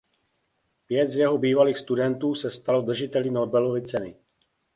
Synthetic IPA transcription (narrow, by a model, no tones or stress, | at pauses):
pjɛt̪zjɛɦobiːvaliːxst̪udɛnt̪uːsɛst̪alod̪r̩ʒɪt̪ɛlinobɛlo̞vɪt͡sɛnɪ